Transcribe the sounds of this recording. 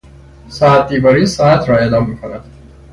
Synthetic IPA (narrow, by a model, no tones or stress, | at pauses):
sɒːæt̪̚ʰd̪iːbɒːɾiːsɒːæt̪ʰɾɒːe̞ːd̪ɒːmːiːkʰonæd̪̥